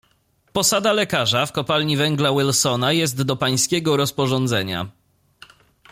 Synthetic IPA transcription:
pɔsad̪alɛkaʐafkɔpalɲivɛŋɡlawilsɔnajɛst̪d̪ɔpaj̃skʲɛɡɔɾɔspɔʐɔnd̪zɛɲa̰

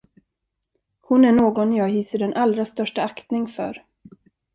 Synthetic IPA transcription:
hʊnæɳoːɡɔnjɑːɡɦiːsəɖɛnʔalɾast̪œʂʈaakt̪nɪŋfœ̰ɾ

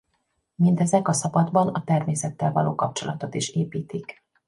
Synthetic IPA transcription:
mind̪ɛzɛkɒsɒbɒd̪bɒnɒt̪ɛrmeːsɛt̪ːɛlvɒlo̰ːkɒp̚t͡ʃo̞lɒt̪o̞t̪iʃeːpiːt̪ik

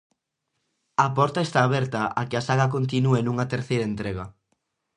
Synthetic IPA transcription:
ɐpɔɾt̪aest̪aːβ̞ɛɾt̪ɐʔakɪasaɣɐk̬ont̪̬inuenuŋɐt̪eɾθejɾɐent̪ɾeɣɐ

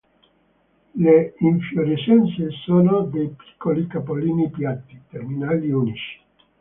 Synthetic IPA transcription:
leiɱfjoɾiʃɛnt̪sesoːnod̪ejpi̥kʰːolikapoliːnipjat̪ːit̪erminaːliunit͡ʃi̥

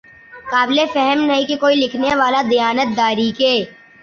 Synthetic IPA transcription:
kaːbɪlefɛɦəmnɐɦĩkikoːilɪkʰneʋaːlad̪ijaːnət̪̚d̪aːɾikeː

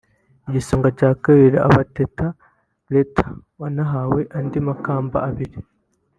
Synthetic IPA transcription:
iɟisoːŋɡaɟaːkaɾiɾaa̰βatetʰa | letʰḁ | wanaɦaweʔandimakaːmba̰ːβiɾi

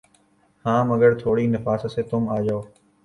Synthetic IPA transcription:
hãːməɡəɾt̪ʰoːɽiːnɪfaːsseːt̪ʊmaːd͡ʒaoː

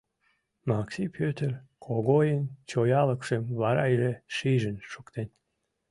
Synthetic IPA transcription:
mɑksipʰøt̪erkʰoɣojənt͡ɕojɑləkʃemβɑɾɑjʒeʃiʒənʃukt̪en

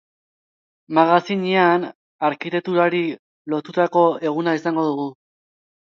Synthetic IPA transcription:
maɣasiɲian | aɾkit̪ek̚t̪uɾaɾi | lo̞t̪ut̪ako̞e̞ɣ̞unaisaŋɡo̞ðuɣu

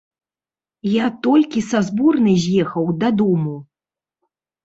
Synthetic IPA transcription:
jat̪ɔlʲkʲisazbɔrnɨzʲjɛxɐwd̪ɐd̪ɔmu

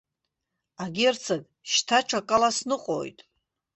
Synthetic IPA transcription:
aɡʲert͡sʰaɡ | ʃtʰat͡ʃʷʰakʼalasnɨqʼo̰jtʼ

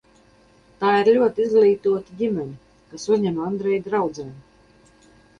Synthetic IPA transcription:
t̪aːiɾlʲuɔt̪iizɡlˠiːt̪uɔt̪iɟʲimʲɛnʲi | kasuzʲɲɛmand̪ɾɛjd̪ʲɾawd̪zɛm

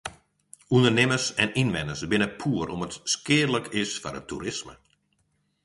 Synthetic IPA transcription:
undərnɪməsɛninʋɛnəsbɪnəpʰuəɾɔmətskɪədləkʰɪsfɔɾətʰːṵɾɪsmə̰

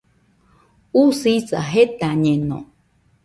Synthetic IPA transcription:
usisa̰ɦet̪aɲẽnõ̰

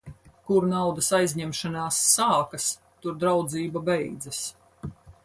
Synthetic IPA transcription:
kuɾnawd̪ɐsajzʲɲɛmʃanaːsːaːkɐs | t̪uɾd̪ɾawd̪ziːbabɛjd̪zɐs

